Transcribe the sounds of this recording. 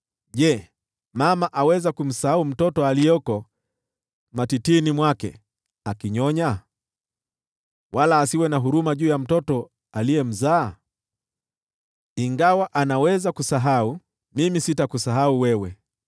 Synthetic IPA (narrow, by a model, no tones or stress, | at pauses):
ʄɛ | mamaʔawɛzakum̩sahaum̩tɔtɔalijɔkɔ | matitinimwakɛ̰ | akiɲɔɲa | walaːsiwɛnaɦuɾumaʄuːjam̩tɔtɔ | alijɛm̩zaː | iŋɡawaʔanawɛzakusaɦau | mimisitakusaɦauwɛwɛ